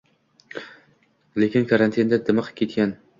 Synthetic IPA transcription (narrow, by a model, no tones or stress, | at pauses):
lekʲɪnkʰaɾant̪ʰind̪ad̪ɪmɨqʰɨ̥p̚kʲʰet̪̚kʲan